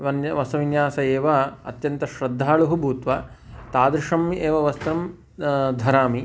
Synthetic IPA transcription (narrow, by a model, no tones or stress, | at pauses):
ʋɐnʋɐsɐʋinjaːsɐeːʋɐɐ̰t̪jɐnt̪ɐʃɾɐd̪ʱːaːɭuɦubʱuːt̪ʋɐt̪aːd̪ɾɪʂɐmʔeːʋɐʋɐst̪ɾɐm | d̪ʱɐɾaːmi